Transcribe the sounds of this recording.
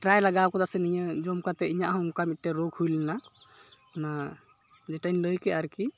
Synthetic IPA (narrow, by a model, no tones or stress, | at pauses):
ʈɾajləɡawkɔd̪asenijãd͡ʒomkat̪ɛijaɦomkamiʈːeɾoɡhujlna | na | d͡ʒeʈainləjkeaɾki